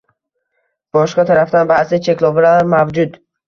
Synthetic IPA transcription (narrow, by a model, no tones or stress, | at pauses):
b̥ɒʃqɑt̪ʰaɾafd̪anbasɪt͡ʃʰe̞kʲlˠɒbɪɾaɾmavd͡ʒʊd̪